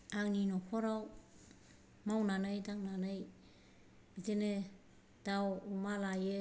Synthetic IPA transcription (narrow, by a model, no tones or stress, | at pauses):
ak̚ninɔkʰɔɾaw | mawnanɯjdak̚nanɯj | zene | d̥awumalaje